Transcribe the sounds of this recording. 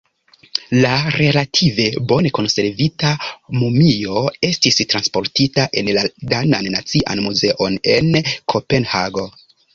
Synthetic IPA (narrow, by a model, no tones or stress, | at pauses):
laɾe̞latʰive̞bo̞ne̞ko̞nse̞ɾvitamumio̞e̞stistɾanspo̞ɾtitaʔe̞nladana̰nːa̰t͡siʔa̰nmuze̞ʔo̞ne̞nkʰo̞pe̞nhaɡo̞